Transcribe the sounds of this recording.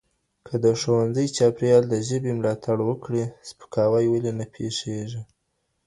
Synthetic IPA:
kʰəd̪əʂowanzəjt͡ʃɑpɾjɑld̪əʒəbemlɑt̪ʰaɽwəkɽispə̥kɑwajwəlenapʰeʂeʒi

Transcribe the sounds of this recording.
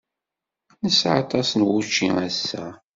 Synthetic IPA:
nəsʕɑ̰t̪ˤɑsnwut͡ʃːiŋæsːæ

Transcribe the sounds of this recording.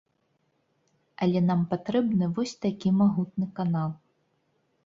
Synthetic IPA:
ɐlʲɛnampat̪ɾɛbnɨvɔsʲt̪akʲimaɣut̪̚nɨkanalˠ

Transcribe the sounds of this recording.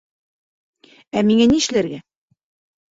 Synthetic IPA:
æmiŋæniʃlæɾɡæ

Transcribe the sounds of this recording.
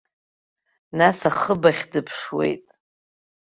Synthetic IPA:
nasaχəbaχʲdɨpʰʂwe̞̰jtʼ

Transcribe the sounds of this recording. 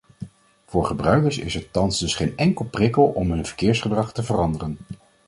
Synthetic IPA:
v̥ʊːɹχəbrœɥkəɹsɪ̰sɛtɑnzdɵsχejnɛŋkəlˠprɪkəlˠɔmɦɵnvə̥ɹkɪːɹsχədrɑχtəvərɑndərən

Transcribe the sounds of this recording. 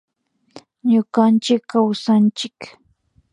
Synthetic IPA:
ɲʊɢant͡ʃɪkːawsant͡ʃɪk

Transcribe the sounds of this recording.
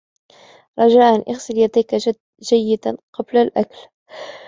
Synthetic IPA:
ɾˤɑd͡ʒaːʔanʔaxsɪljad̪ajka | d͡ʒajːɪd̪aqɑblalʔakl

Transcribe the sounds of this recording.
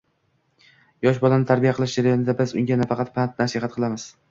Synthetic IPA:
jɒʃbɒlanɪt̪ʰaɾbijaqʰɨlˠɪʃd͡ʒeɾajonɪd̪abɪzʊŋɡʲanafɑqʰɑt̪pʰant̪̚nasɪɦat̪̚qʰɨlˠamɪz̥

